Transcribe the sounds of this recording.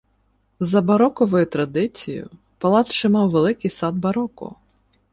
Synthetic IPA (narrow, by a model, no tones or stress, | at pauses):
zɐbɐɾɔkɔʋɔjʊt̪ɾɐd̪ɪt͡sʲijʊ̰ | pɐlˠɑt̪ʃt͡ʃɪmɑwʋelˠɪkɪjsɑd̪̚bɐɾɔkʊ̰